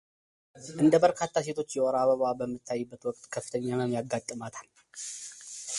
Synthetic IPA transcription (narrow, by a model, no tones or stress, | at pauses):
ʔɨnd̪əbəɾkʰat̪ʰːase̞t̪ʰo̞t͡ʃːjɛʔɔɾaβəβabəmːɨt̪ʰːajːɨbːət̪wɔkʼt̪ʼkʰəfːɨ̥t̪ʰəɲːaməmjaɡːat̪ʼːɨmat̪ʰal